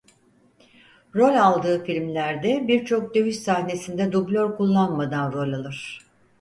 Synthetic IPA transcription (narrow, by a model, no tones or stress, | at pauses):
ɾo̞lʲalˠd̪ɯːfilʲmlʲæɾd̪ɛbiɾt͡ʃʰo̞k̚d̪ø̞jyʃsahne̞sind̪ɛd̪ublʲøɾkulˠːanmad̪anɾo̞lʲalˠɯɾ̝̥